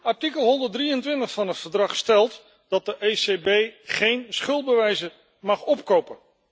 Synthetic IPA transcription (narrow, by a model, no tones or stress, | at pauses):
ɑɹtikəlˠɦɔndəɹt̚drijəntʋɪntəχfɑnɦətfəɹdrɑχstɛlˠt | d̥ɑt̚dəʔejsebejχejnsχɵlˠd̚bəʋɛjzə | mɑχɔpkowpən